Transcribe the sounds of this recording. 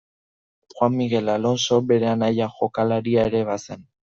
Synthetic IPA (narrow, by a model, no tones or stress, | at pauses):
xwanmiɣe̞lalo̞nso̞be̞ɾe̞anajaxo̞kalaɾiaeɾe̞βase̞n